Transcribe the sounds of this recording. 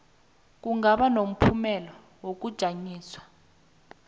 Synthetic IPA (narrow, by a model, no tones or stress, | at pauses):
k̬uŋaɓanom̩pʰumɛlɔ | wok̬ud̥ʒ̥ʱaɲiːswḁ